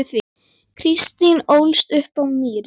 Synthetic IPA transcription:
θvi | kʰɾist̪inowlst̪ʏhpawniːɾ

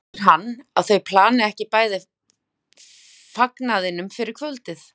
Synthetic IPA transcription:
ɾ̥ɦanːawθœɥpʰlaːnɪɛhcɪpaːjðɪ | faknaðɪnʏmfɪɾɪɾ̥kʰvœlt̪ɪθ

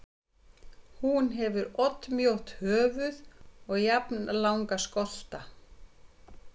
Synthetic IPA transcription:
hunɦɛvʏɾɔt̪mjowht̪hœːvʏðɔɣjapnlawŋkaskɔl̥t̪a

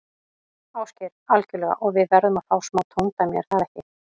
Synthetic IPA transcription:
aːwscɛɾalcʏlɛɣa̰ʔɔɣvɪðvɛɾðʏmaðfaːwsmaːwt̪ʰont̪amjɛ̰ɾ̥θaðɛhcɪ

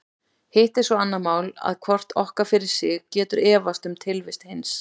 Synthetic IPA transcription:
heht̪ɛɾ̥svɔanːaðmaːwla̰ðkʰvɔr̥t̪ɔhkafɪɾɪɾ̥sɪɣcɛːt̪ʏɾɛːvast̪ʏmt̪ʰɪlvɪst̪hejns

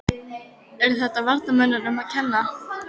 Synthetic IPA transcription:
ɛɾθɛht̪avaɾt̪namœnːʏɾœmaðcʰɛnːa

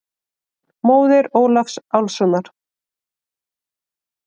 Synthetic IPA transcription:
moːwðɪɾoːwlafsawlsɔnaɾ̥

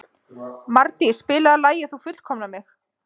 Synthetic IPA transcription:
maɾt̪ispɪːlaalaːjɪθufʏt̪kʰɔmnamɪx

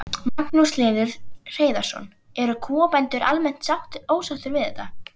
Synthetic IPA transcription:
maknuslɛːðɪɾ̥r̥eːjðḁsɔ̰n | ɛɾʏkʰɔːpɛnt̪ʏɾʔa̰lmɛn̥t̪sawht̪oːwsawt̪ʏvɪðɛht̪a

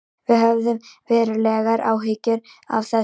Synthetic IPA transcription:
vɪðɦœvðʏmvɛːɾɪlɛːɣaɾʔaːwɦɪcɪɾ | a̰vθɛ

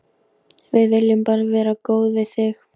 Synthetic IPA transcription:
vɪðvɪljʏmpaːɾavɛːɾakoːwðvɪðθɪx

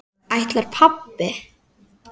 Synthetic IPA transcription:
ajht̪laɾ̥pʰapːɪ

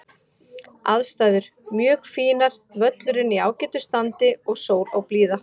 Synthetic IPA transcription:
a̰ðst̪aːjðʏɾ̥ | mjœːkfiːnaɾ̥ | vœt̪lʏɾɪniaːwcɛːt̪ʏst̪ant̪ɪɔɣsoːwɾawpliːða

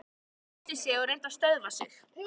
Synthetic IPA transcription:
t̪ɪsjɛɔɾejnt̪ast̪œðvasɪ̰x

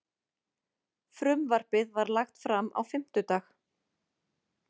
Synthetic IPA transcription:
fɾʏmvar̥pɪðvaɾlaxt̪fɾama̰wfɪm̥t̪ʏt̪aːx

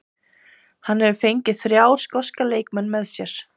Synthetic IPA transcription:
hanhɛvʏfejɲcɪθɾjaːwskɔskaleːjkmɛnːmɛðsjɛɾ̥

